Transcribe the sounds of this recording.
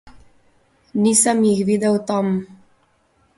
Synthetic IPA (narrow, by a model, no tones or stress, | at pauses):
nisəmjixʋid̪ɛwt̪am